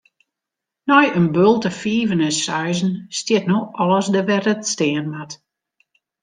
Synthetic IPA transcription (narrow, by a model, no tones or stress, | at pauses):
nɔjənbølˠtəfiːvənəsœɥzn̩stjɪtnoɔlˠəsdəʋɛrətstɪːənmat